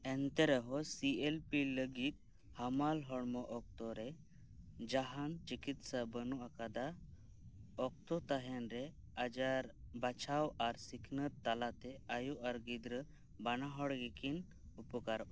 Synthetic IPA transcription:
ɛnt̪ɛɾɛɦɔsielpiləɡit̪̚ | hamalɦɔɽmɔʔɔk̚t̪ɔɾɛ | d͡ʒaɦant͡ʃikit̪sabənuakad̪a | ɔk̚t̪ɔt̪aɦɛnɾɛ | ad͡ʒaɾbat͡ʃʰawaɾsikʰnət̪ːalat̪ɛajuʔaɾɡid̪ɾə | banaɦɔɽɡɛkin | upəkaɾʔɔ

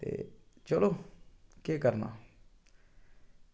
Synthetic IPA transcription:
t̪ḛt͡ʃəloːkeːkəɾna̰ː

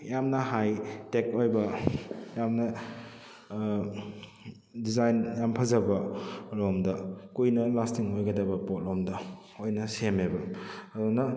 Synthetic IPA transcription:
jamnɐhajtekojbɐjamnɐ | dizajnjampʰɐzɐbɐɾomdɐkujnɐlastiŋojɡɐdɐbɐpot̚ɾomdɐ | ojnɐsemebɐɐdunɐ

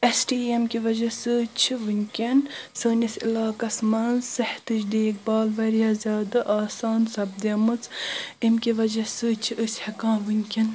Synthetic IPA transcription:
esʈiːemkiʋɐd͡ʒɐsɨt͡ʃʰiʋɨnʲkʲensəːnisilaːkɐsmɐnzsɐħt̪ɨt͡ʃd̪eːk̚baːlʋɐɾijaːzʲaːd̪ɨʔaːsaːnsɐb̚d̪ɐmɨt͡simkʲiʋɐd͡ʒɐsɨt͡ʃʰiʔəsʲhɐkãːnʋɨnʲkʲen

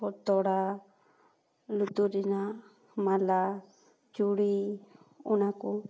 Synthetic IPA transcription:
ɔt̪ɔɽa | lut̪uɾinã | mãla | d͡ʒuɽi | unãku

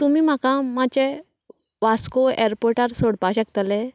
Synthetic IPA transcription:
t̪umiːm̤akãmat͡ɕe | ʋaskoeɾpoɾʈaɾsoɽpaɕəkt̪ale

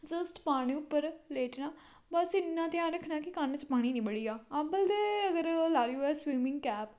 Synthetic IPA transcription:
d͡ʒəsʈpaːɽ̃ĩːʊpːəɾleːʈnaː | bəsɪnːãːt̪ɪjãːnɾəkʰːnaːkɪkant͡ʃpaːɽ̃ĩːnĩːbəɽiːaːabəld̪eːəɡəɾlaːɾiɛːswiːmɪ̃ŋɡkɛːp

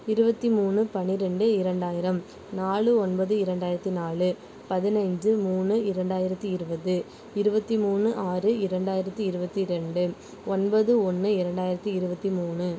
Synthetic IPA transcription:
ɪɾɯbɐt̪ːimuːnɯpɐnɪɾɛɳɖɯɪɾɐɳɖaːjɪɾɐm | naːɭɯɔnbɐðɯɪɾɐɳɖaːjɪɾɐt̪ːinaːɭɯ | pɐðɪnɐɪɲd͡ʒɯmuːnɯɪɾɐɳɖaːjɪɾɐt̪ːiɪɾɯbɐðɯ | ɪɾɯbɐt̪ːimuːnːɯʔaːrɯɪɾɐɳɖaːjɪɾɐt̪ːiɪɾɯbɐt̪ːiɾɛɳɖɯ | ɔnbɐðɯɔnːɯɪɾɐɳɖaːjɪɾɐt̪ːiɪɾɯbɐt̪ːimuːnɯ

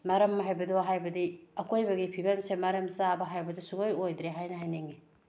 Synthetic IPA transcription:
maɾɐmːɦajbɐdoɦajbɐdiɐkojbɐɡipʰibɐmsemaɾɐmsabɐɦajbɐdusuɡojojdɾeɦajnɐɦajneŋi

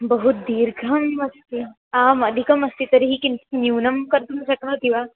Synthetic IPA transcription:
bəɦut̪̚d̪iːɾɡʱaməst̪i | ãməd̪ʱikəməst̪it̪əɾiɦiːkint̪njunəmkəɾt̪unɕəknat̪ĩʋ̤a

